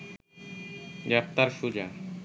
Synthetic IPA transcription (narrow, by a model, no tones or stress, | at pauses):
ɡɛp̚t̪aɾʃud͡ʒa